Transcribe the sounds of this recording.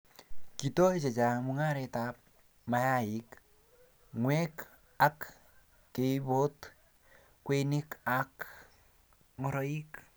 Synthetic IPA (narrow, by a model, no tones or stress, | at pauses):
kitoet͡ʃet͡ʃamuŋaɾɛtap̚ | majaik | ŋwɛk | akː | eibot | kwenikak | ŋɔɾɔik